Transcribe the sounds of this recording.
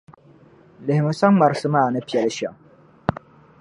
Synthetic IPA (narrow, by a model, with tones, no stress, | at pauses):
lɪ˨hɪ˨mɨ˨˦sa˦ŋ˦ma˨ɾsɨ˦maː˦˨nɨ˦pi˨ɛ˨lʃɛ̰˨ŋ